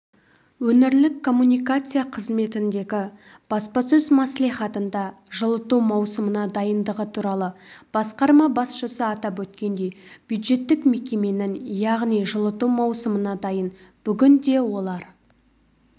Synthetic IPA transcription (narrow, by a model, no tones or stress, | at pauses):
wɵnɪɾlɪkʰːo̞mːunijkat̪sɨjaqʰəzme̞t̪ɪnd̪e̞ɡʲɪ | b̥ɑspɑsɵzmɑslˠijχɑt̪ənd̪ɑ | ʒəlˠət̪umɑwsəmənɑd̪ɑjənd̪əʁət̪ʰuɾɑlˠəb̥ɑsqɑɾmɑbɑsʃəsəɑt̪ɑpwɵt̪kʲe̞nd̪e̞jb̥jud̪ʒe̞t̪ːɪkme̞kʲe̞me̞nɪŋjɑʁnijʒəlˠət̪uwmɑwsəmənɑd̪ɑjənb̥ʏɡʲɪnd̪e̞wo̞lˠɑɾ